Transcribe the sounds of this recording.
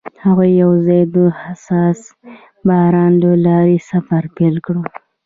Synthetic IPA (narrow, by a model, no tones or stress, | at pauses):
haɣujːawzɑjd̪əhasɑs | bɑɾɑnləlɑɾesafaɾpelkɽu